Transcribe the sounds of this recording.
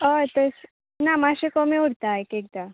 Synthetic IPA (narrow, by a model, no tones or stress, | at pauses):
ət̪əs | namaɕekomiuɽt̪aekek̚d̪a